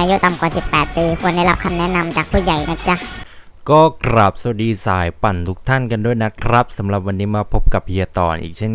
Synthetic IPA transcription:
a˧ju˦˥t̪a˨˧˨mkwaː˨˩si˨˩pːɛː˨˩t̪̚piː˧kʰu˧ənda˥˩˨la˦˥p̚kʰa˧mnɛ˦˥na˧mt͡ɕaː˨˩k̚pʰuː˥˩ja˨˩jna˦˥t͡ɕa˦˩ | kɔː˥˩kɾa˨˩p̚sa˨˩˦diː˧saː˩˦jpa˨˩nt̪ʰu˦˥k̚t̪ʰa˥˩nka˧ndu˥˩əjna˦˥kʰɾa˦˥p̚sa˩˦mɾa˨˩p̚wa˧nːiː˦˥maː˧pʰo˦˥p̚ka˨˩p̚hi˧ɐt̪ɔː˨˩nʔḭː˨˩k̚t͡ɕʰe˥˩n

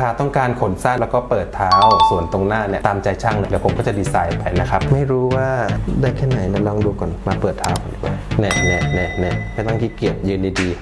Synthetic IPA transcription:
kʰa˦˧˩t̪ɔ˥˩ŋkaː˧nkʰo˩˦nsaː˥˩lɛ˦˥wkɔː˥˩pɤː˨˩t̪ʰːaː˦˥wsu˨˩ənt̪o˧ŋnaː˥˩ni˥˩t̪aː˧mt͡ɕa˧jt͡ɕʰa˥˩ŋlːdɛ˨˩pʰo˨˦mkɔː˥˩t͡ɕa˨˩diː˧saː˧jpa˧jna˦˥kʰa˦˥p̚ma˥˩jɾuː˦˥waː˥˩daː˥˩jkʰɛː˥˩na˩˦jna˧˩lɔː˧ŋduː˧kɔː˨˩nmaː˧pɤː˨˩t̪ʰːaː˦˥wka˨˩nʔi˨˩wa̰˧˦nɛ˧˩nɛ˧˩nɛː˧˩nɛ˧˩a˧˩˨t̪a˥˩ŋt̪ʰiː˥˩ki˨˩əp̚jɯː˧nda˧jdiː˧

